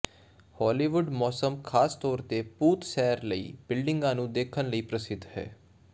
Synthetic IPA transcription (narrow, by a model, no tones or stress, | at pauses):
hɔːliːʋʊɖmɔːsəmkʰaːst̪ɔːɾt̪eːpuːt̪sɛːɾləḭːb̥ɪlɖɪ̃ŋɡãːnũːd̪eːkʰənləiːpɾəsɪd̪ʱhɛ̰ː